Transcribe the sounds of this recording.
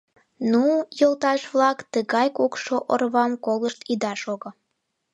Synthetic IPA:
nujolt̪ɑʃβlɑkt̪əɣɑjkokʃoʔo̰rβɑmkoləʃt̪id̪ɑʃoɣo

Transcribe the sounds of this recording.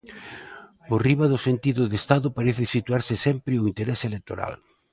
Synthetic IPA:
ʊriβaðʊsent̪iðʊðest̪aðʊpaɾeθɪsit̪uaɾsɪsɛmpɾɪʊint̪eɾɛselek̚t̪o̰ɾa̰l

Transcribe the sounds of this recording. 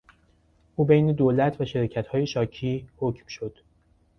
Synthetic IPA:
ʔuːbejne̞d̪olæt̪ʰvæʃeɾɒːcʰæt̪hɒːje̞ʃɒːcʰiːhocʰmʃo̞d̪̥

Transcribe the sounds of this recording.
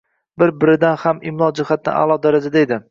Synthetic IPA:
bɪɾbɪɾɪd̪anhamɪmlˠɒd͡ʒɪhat̪̚nɪ̰a̰lˠɒd̪aɾad͡ʒad̪aed̪ɪ

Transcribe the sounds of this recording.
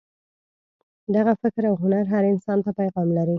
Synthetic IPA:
d̪aɣafɪkɾawɦʊnaɾɦaɾɪnsɑnt̪apajɣɑmlaɾi

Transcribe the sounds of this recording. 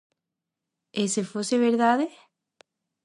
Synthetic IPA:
esefoseβeɾðaðe

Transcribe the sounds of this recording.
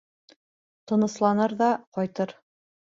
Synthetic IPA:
t̪ɤ̆nɤ̆slˠɑnɤɾðɑqɒjt̪ɤɾ

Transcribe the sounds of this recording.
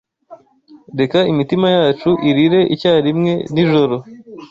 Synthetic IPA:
de̞kaimitimajaːt͡ʃuʔiɾiɾe̞ʔicaːɾimŋe̞niʒo̞ɾo̞

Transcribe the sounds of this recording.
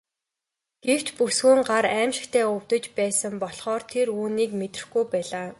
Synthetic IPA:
ɡ̥ew̥t͡ɕ̪pusɡuːŋɢaɾæːmʃɪ̆kt̪ʰeːʊw̥t̪ə̆t͡ɕpæːsə̆mpɔɮχɔːrt̪ʰeɾuːniːkmet̪rɘ̥̆xɡujpæːɮaː

